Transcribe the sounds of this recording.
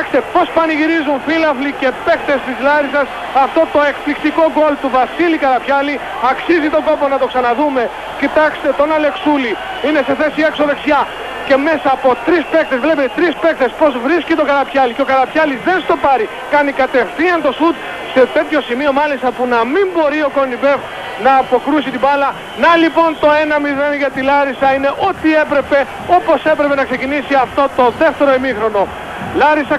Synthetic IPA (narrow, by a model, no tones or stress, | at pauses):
ɐkst̪e̞po̞spɐniʝiɾizunfilɐflice̞pe̞kt̪e̞st̪izlɐɾisɐs | ɐft̪o̞t̪o̞e̞kplikt̪iko̞ɡo̞lt̪uvɐsilikɐɾɐpçɐli | ɐksizit̪o̞ɡo̞po̞nɐt̪o̞ksɐnɐðume̞ | cit̪ɐkst̪e̞t̪o̞nɐle̞ksuli | ine̞se̞θe̞sie̞kso̞ðeksçɐ | ce̞me̞sɐːpo̞t̪ɾispe̞k̚t̪ezvlepet̪et̪ɾispe̞k̚t̪e̞spo̞zvɾiscit̪o̞kɐɾɐpçɐliceokɐɾɐpçɐlizðenst̪o̞pɐɾi | kɐnikɐt̪e̞fθiɐnt̪o̞sut̪ | se̞t̪e̞t̪ço̞simio̞mɐlist̪ɐpunɐmimbo̞ɾio̞ko̞nibe̞v | nɐːpo̞kɾusit̪ibɐlɐ | nɐlipo̞nt̪o̞e̞nɐmiðenʝɐt̪ilɐɾisɐine̞ʔo̞t̪ie̞pɾe̞pe̞ | o̞po̞se̞pɾe̞pe̞nɐkse̞cinisiɐft̪o̞t̪o̞ðe̞ft̪e̞ɾo̞imixɾo̞no̞ | lɐɾisɐ